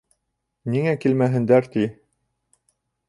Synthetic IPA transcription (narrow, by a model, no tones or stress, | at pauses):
niŋækilmæɦɘ̆nd̪æɾt̪i